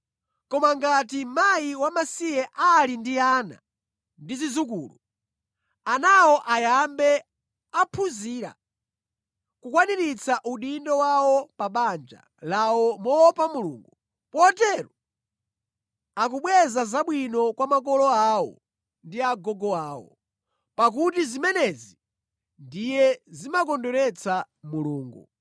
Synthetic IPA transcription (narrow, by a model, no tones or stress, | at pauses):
kɔmaŋɡatimajiwamasijɛʔalindiaːna̰ | ndizizukṵːlu | anawɔʔajambɛ | apʰuziːɾa̰ | kukwaniɾit͡sʰaʔuɗindɔwawɔpaɓand͡ʒa̰ | lawɔmɔwɔpamulṵːŋɡu | pɔtɛɾɔ | akuɓwɛzazaɓwinɔkwamak̬ɔlɔawɔ̰ | ndiaɡɔɡɔaːwɔ̰ | pak̬utizimɛnɛzi | ndijɛzimakɔndɔɾɛt͡sʰa | muluːŋɡu